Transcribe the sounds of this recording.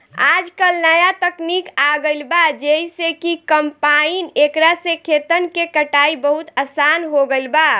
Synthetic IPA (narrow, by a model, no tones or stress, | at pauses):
ad͡ʒkəlnəjat̪əknikaɡəɪlbad͡ʒəisekikəmpainekɾasekʰet̪ənkekəʈaibəɦut̪əsanɦoɡəɪlba